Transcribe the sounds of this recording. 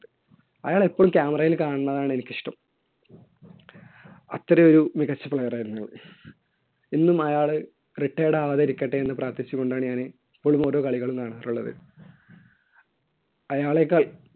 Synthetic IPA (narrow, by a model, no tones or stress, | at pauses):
ɐ̰jaːɭipːoːumkʲaːmɐrɐjilkaːɳɨnːɐðaːɳɨe̞nikʲːiʂʈɐm | ɐt̪ːrɐjo̞ɾumiɣɐt͡ɕːɐpɭɐjɐraːjɾunːuɭɨ | inːumɐjaːɭɨ | riʈːeːjɽeɐʋɐðɐɾikʲːɐʈːeenːɨpraːt̪it͡ɕːukːo̞ɳɖaːɳɨɲaːne | ipːo̞ːɭumo̞ːɾo̞ːkɐɭiɣɐɭumkaːɳɨːɐruɭːɐðɨ̰ | ɐjaːɭekːaːɭ